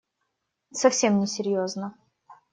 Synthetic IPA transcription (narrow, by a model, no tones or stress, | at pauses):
sɐfsʲe̞mnʲɪsʲɪɾʲjoznə